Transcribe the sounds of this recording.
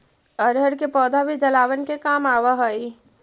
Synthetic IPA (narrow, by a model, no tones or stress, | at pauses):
əɾɦəɾkepɔːd̪ʱabʱid͡ʒɐlaːʋənkekaːmaːʋaɦoi